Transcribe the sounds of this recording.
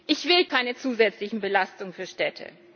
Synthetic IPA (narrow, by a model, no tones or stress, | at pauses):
ʔɪçv̥ɪlkʰaɪnət͡suːzɛt͡slɪçn̩bəlastʊŋfyːɐʃtɛtʰə̰